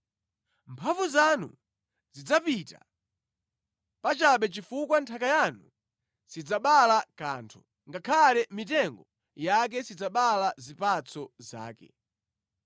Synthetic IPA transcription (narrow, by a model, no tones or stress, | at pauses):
mpʰavuzanṵ | zid͡zapita̰ | pat͡ʃaɓɛt͡ʃifukwantʰakajanu | sid͡zaɓalakaːntʰu̥ | ŋɡakʰalɛmit̬ɛŋɡɔ | jak̬ɛsid͡zaɓalazipat͡sʰɔza̰ːkɛ̰